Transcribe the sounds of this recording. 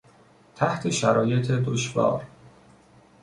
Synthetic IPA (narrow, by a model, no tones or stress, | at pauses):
t̪ʰæht̪ʰe̞ʃæɾɒːje̞t̪ʰed̪oʃvɒ̰ːɾ